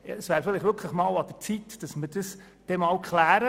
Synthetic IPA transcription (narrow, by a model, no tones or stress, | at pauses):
jɑ̰əsvæːɾfɪlɪχʋʏɾkʰləχmɑːwɑd̥̪ət͡sitd̥ɑsməɾd̥əs | d̥ɛmɑːwkχlæːɾə